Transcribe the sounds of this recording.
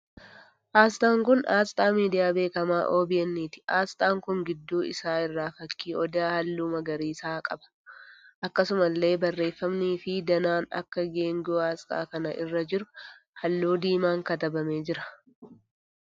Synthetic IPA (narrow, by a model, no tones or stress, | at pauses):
ʔaːst̪ʼaːŋkʊnaːst̪ʼaːmiːd̪ɪjaːbe̞ːkɐmaːʔo̞ːbɪɛnːiːt̪ɪ̥aːst̪ʼaːŋkʊŋɡɪd̪ːuːɪ̰saːɪrːaːfɐkːiːɔd̪aːhɐlːuːmɐɡɐɾiːsaːkʼɐbɐ̥ | ʔɐkːɐsʊmɐlːe̞ːbɐrːe̞ːfːɐmniːfɪd̪ɐnaːnɐ̰kːɐɡe̞ːŋɡɪoːaːst̪ʼa̰ːkɐnɐʔɪrːɐd͡ʒɪɾʊ | hɐlːuːd̪iːmaːŋkɐt̪ɐbɐmeːd͡ʒɪɾɐ̥